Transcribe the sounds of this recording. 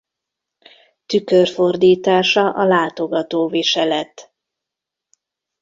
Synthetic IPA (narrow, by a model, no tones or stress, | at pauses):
t̪ykørfo̞rd̪iːt̪aːʃɒʔɒlaːt̪oɡɒt̪oːviʃɛlɛt̪